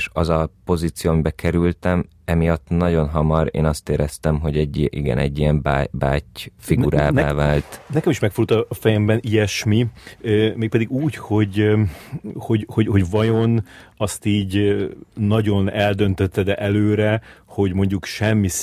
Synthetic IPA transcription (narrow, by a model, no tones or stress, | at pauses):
ʃɒzɒpo̞ziːt̪sijoːɒmibɛkʰɛɾylt̪ɛm | ɛmijɒt̪ːnɒɟo̞nɦɒmɒɾḛːnɒst̪eːɾɛst̪ɛmɦo̞ɟɛɟːiʔiɡɛ̰nɛ̰ɟːijɛmbaːbaːcfiɡuɾaːnɛaːvaːlt̪nɛkɛmiʃmɛkfut̪ɒːfɛjɛmbɛniɛʃmi | meːk̚pɛd̪iɡuːcho̞ɟ | ho̞ɟho̞ɟho̞ɟvɒjo̞nɒst̪iːɟ | nːɒɟo̞nɛld̪ø̞nt̪øt̪ːɛd̪ɛʔɛløːɾɛho̞ɟmo̞ɲɟukʃɛmːi